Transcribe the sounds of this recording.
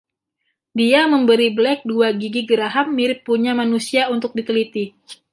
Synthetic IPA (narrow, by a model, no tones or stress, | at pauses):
diaməmbəɾiblɛk̚duaɡiɡiɡəɾaɦamːiɾɪpːuɲamanusiaunt̪ʊk̚dit̪əlit̪i